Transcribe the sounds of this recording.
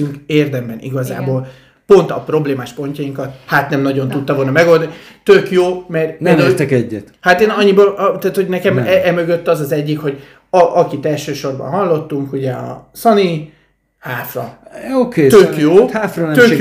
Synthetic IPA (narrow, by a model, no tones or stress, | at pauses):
yŋkeːrd̪ɛmbɛnḭɡɒza̰ːboːl | po̞nt̪ɒ̰pro̞bleːmaːʃpo̞ɲcɒjiŋkɒt̪̚hat̪nɛmnɒɟo̞nt̪ut̪ːɒvolnɒmɛɡo̞ld̪ɒnit̪økjoːmɛrnɛeːrt̪ɛkɛɟːɛt̪hat̪eːnɒɲːibɒʔt̪aːt̪ho̞ɟnɛkɛmɛɛmø̞ɡøt̪ːɒzɒzɛɟːikho̞ɟ | ɒʔɒkit̪ɛlʃøːʃo̞rbɒ̰nɦɒlːo̞t̪ːuŋkuɟɛɒ̰sɒni | haːfrɒoket̪økjoːhaːfrɔnɛt̪øk